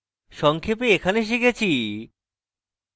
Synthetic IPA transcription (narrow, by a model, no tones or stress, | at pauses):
ʃɔŋkʰepeekʰaneʃ̬ikʰet͡ɕʰi